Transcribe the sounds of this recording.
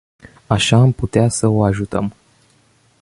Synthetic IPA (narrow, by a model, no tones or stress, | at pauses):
aʃaːmput̪easəo̞aʒut̪ə̰m